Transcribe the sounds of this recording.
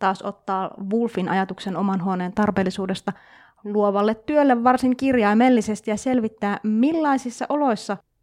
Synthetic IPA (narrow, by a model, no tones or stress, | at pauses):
t̪ɑːso̞̰t̪ːɑːʋulfinʔɑ̰jɑt̪ukse̞no̞mɑnɦuoneːnt̪ɑrpe̞ːlːisuːde̞st̪ɑ | luo̞ʋɑlːet̪ːyølːeʋːɑrsiŋkirjɑimelːise̞st̪ijɑse̞lʋit̪ːæːmilːɑisisːɑ̰ʔo̞lo̞jsːɑ